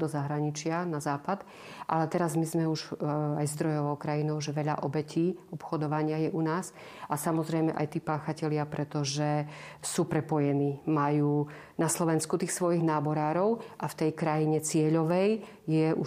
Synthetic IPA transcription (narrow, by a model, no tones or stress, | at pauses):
d̪ɔzaɦɾaɲit͡ʃɪanazaːpad̪ | ʔa̰lɛt̪ɛɾazmizmɛuʒajzd̪ɾɔjɔʋɔʊkɾajinɔʊʒɛʋɛʎa̰ʔɔbɛciːɔpxɔd̪ɔʋaɲɪajɛʔunaːz | ʔasamɔzɾɛjmɛʔa̰jt̪iːpaːxacɛʎɪapɾɛt̪ɔʒɛsuːpɾɛpɔjɛniːmajuːnaslɔʋɛnskut̪iːxsʋɔjiɣnaːbɔɾaːɾɔʊʔaft̪ɛjkɾajiɲɛt͡sɪɛʎɔʋɛj | jɛʔu